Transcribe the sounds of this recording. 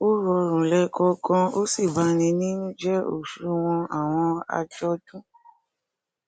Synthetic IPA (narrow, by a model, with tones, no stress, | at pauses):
o˦ɾɔ˧ɾ̃ũ˨lɛ˧kɔ˧kɔ̃˧o˦si˦˨ba˨˦nĩ˧nĩ˦nũ˦d͡ʒɛ˦o̰˦˨ʃu˨˦w̃ɔ̃˧a̰˨w̃ɔ̃˧a̰˧d͡ʒɔ˧tũ˦